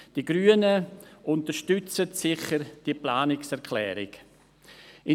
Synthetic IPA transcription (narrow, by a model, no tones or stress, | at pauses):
d̥iɡɾyːənəʔʊntəɾʃtʏt͡sətsɪχəɾd̥iəplaːnɪksɛɾkʰlɛ̰ːɾɪ̰ɡ̥ | ɪ